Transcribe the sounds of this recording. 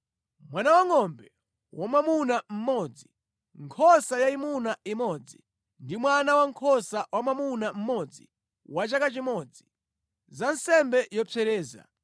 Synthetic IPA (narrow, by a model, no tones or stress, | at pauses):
mwanawaŋɔmbɛ | wamamunam̩mɔd͡zi | ŋkʰɔsajaimunaimɔd͡zi | ndimwanawaŋkʰɔsawamamunam̩mɔd͡zi | wat͡ʃakat͡ʃimɔd͡zi | zansɛmbɛjɔpʰɛɾɛːza̰